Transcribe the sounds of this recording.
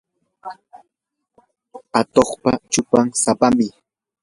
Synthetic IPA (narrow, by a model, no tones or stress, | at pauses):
at̪oχpat͡ʃʊpaŋsapamɪ